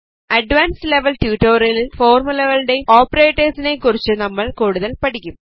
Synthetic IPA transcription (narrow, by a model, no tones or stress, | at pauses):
ɐɖʋaːnsle̞ʋɐlʈjuʈːoːrilfoːrmulɐɣɐɭɨɽe̞oːpːɐreːʈːɐrsine̞kːurit͡ɕːɨnɐmːɐɭkuːɽuðɐlpɐʈikʲːum